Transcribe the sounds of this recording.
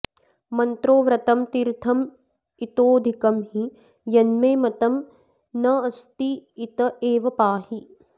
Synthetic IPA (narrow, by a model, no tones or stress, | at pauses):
mɐnt̪ɾoːʋɾɐt̪ɐmt̪iɾt̪ʰɐm | it̪oːd̪ʱikɐmɦi | jɐnmeːmɐt̪ɐm | nɐɐst̪iːt̪ɐeːʋɐpaːhi